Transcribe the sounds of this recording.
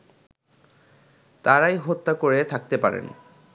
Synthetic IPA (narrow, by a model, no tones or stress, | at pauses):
t̪aɾajɦot̪ːakoɾet̪ʰak̚t̪epaɾḛn